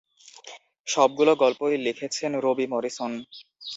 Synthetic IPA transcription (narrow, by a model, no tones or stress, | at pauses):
ʃɔb̚ɡuloɡɔlpojlikʰet͡ɕʰenɾobimɔɾison